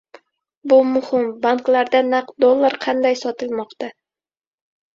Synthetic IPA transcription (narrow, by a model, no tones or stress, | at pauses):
bʊmʊhɪmbaŋklˠaɾd̪anaqd̪olˠːaɾqʰɑnd̪ajsɒt̪ɨlˠmɒqt̪a